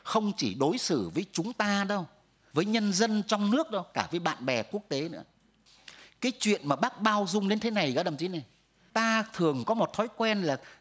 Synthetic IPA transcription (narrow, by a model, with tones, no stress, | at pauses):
xə˧wŋ͡mt͡ɕi˧˩ɗo˨˦jsɨ˧˩vəː˨˦jt͡ɕʊ˨˦ŋ͡mt̪aː˧ɗə˧w | vəː˨˦jɲə˧nzə˧nt͡ɕɔ˧wŋ͡mnɨ˦˥ək̚ɗo˧wkaː˧˩vəː˨˦jɓa̰ː˧˨nɓɛ˨˩ku˦˥ək̚t̪e˨˦nɨ̰˧˥ə | kaː˨˦jt͡ɕwḭ˧˨ənmaː˨˩ɓaː˦˥k̚ɓaː˧wzʊ˧ŋ͡mɗe˨˦nt̪ʰe˨˦na˨˩jɣa̰ː˧˥ɗə˨˧˩mt̪i˨˦na˨˩j | t̪aː˧t̪ʰɨ˨˩əŋkɔ˨˦mo˨˩t̚t̪ʰɔ˨˦jkwɛ˧nlaː˨˩